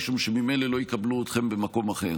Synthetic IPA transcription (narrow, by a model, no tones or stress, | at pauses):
ʃumʃemime̞jlelo̞jikabluot̪χe̞mbemako̞maχe̞̰ʁ